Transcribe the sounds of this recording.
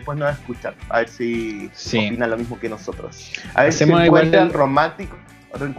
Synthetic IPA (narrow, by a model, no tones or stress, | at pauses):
pwesnoaeskut͡ʃaða̰βeɾsisiopinalomizmokeno̞sot̪ɾo̰sa̰βeseẽkweelromãnt̪iko | reŋk